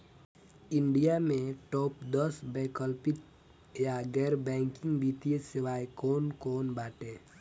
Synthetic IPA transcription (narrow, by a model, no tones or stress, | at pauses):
ɪ̃ɳɖijamẽʈɔːpd̪əsbɛ̃ːkəlpɪt̪ | jaɡɛːɾbɛ̃ːŋkɪ̃ŋɡbiːt̪ijesɪʋaːekoːnkoːnbaːʈẽː